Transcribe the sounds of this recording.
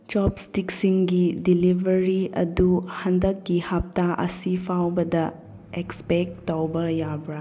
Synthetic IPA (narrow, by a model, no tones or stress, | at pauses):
t͡ʃɔpstiksiŋɡidilibʱɐɾiɐ̰duhɐndɐkːihɐp̚taʔɐ̰sipʰawbɐdɐ | ekspek̚tːawbɐjabɾa